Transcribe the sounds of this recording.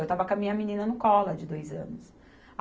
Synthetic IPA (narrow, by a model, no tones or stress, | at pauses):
ewt̪avɐkɐmĩɲɐminĩnɐnʊkɔlɐd͡ʒɪd̪ojzɐ̰̃nʊs